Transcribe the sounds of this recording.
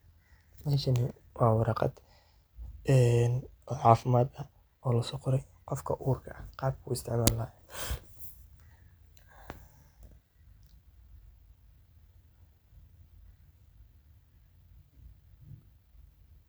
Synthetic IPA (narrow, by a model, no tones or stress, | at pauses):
manʃɐnɪ | wʔɑːwɑɾɑqɑ̰d̪ | ɛːnʕɑːfɪmaːd̪ɐ | ɔːlɐsɔqʊɾɛjqɔfkʰɐʔuːrkʰɐʔɐqɑːb̚kʰʊːɪst̪ʰɪʕmaːlːɐɛ